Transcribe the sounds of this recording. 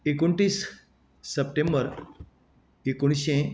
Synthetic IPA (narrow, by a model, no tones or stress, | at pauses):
ekuɳʈiːsː | əp̚ʈẽmbəɾ | ekuɳ̃ɕẽ